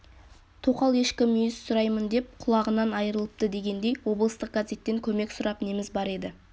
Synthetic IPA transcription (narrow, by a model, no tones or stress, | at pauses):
t̪ʰoqɑlˠje̞ʃkʲɪmijɪzsʊɾɑjmənd̪e̞p̚qʰʊlˠɑʁənɑnɑjəɾəlˠəp̚t̪əd̪e̞ɡʲe̞nd̪e̞jwo̞blˠəst̪əq̚ɡazʲe̞t̪ːe̞ŋkʲʰɵme̞ksʊɾɑpne̞mɪzbɑɾe̞d̪ɪ